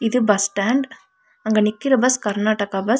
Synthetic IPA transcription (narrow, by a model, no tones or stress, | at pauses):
ɪðɯbɐsʈaːɳɖ | ɐŋɡɐnɪkːɪɾɐbɐskɐɾnaːʈɐkabɐ